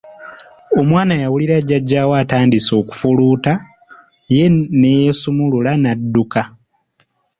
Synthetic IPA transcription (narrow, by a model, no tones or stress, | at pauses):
o̞mwaːnajawuliɾaɟːaɟːaːwaːtaːndiso̞ːku̥fuluːta | je̞nejesumululanadːuka